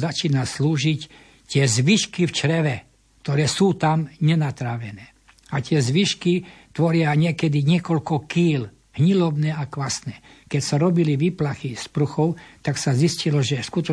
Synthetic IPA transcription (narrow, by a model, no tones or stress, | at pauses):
zat͡ʃiːnasluːʒic | t̪ɪɛzʋiʃkift͡ʃɾɛʋɛ | kt̪ɔɾɛːsuːt̪amɲɛnat̪ɾaʋɛnɛː | at̪ɪɛzʋiʃkit̪ʋɔɾɪaɲɪɛkɛd̪iɲɪɛkɔlkɔkiːl | hɲilɔbnɛːakʋasnɛːkɛcsaɾɔbiliʋiːplaxispɾuxɔʊt̪aksaziscilɔʒɛskut̪ɔ